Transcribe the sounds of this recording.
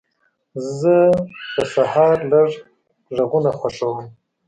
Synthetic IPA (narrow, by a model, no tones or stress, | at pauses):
zəp̪əsahɑɾləʐ | ʐaɣunaxwaʂawəm